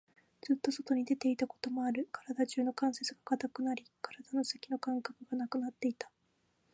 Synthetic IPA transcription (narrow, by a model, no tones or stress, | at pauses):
d͡z̥ɨt̪ːo̞so̞t̪o̞ɲ̟id̪e̞t̪e̞it̪ako̞̥t̪o̞mo̞aɾɯ̟kʰḁɾad̪aʑɨːno̞kãɰ̃sesɨɡakat̪akɯ̟naɾʲikaɾad̪ano̞sakʲino̞kãŋkakɯ̟ɡanakɯ̟nat̪ːe̞it̪ḁ